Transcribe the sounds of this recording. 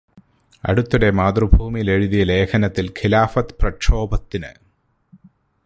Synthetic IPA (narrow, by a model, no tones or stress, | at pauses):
ɐ̰ɽut̪ːuɽe̞maːd̪rɨbʱuːmijle̞ɻuðijɐle̞ːkʰɐnɐt̪ːilkʰilaːfɐt̪prɐkʂo̞ːbɐt̪ːinɨ̰